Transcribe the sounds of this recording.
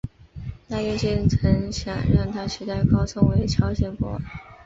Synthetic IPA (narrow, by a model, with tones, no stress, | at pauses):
t̪a˥jɛ˥˩t͡ɕɛ˥˩nt͡sʰɤ˧˥ŋɕjɑ̰˨˩ŋɻa˥˩ŋt̪ʰa˥ʂi˧˥t̪a˥˩ɪkɑ˥ʊt͡sʰɤ˥ŋwe˧˥ɪt͡ɕʰjɑ˥ʊɕjɛ˥˩nfɔ̰˥˨˩n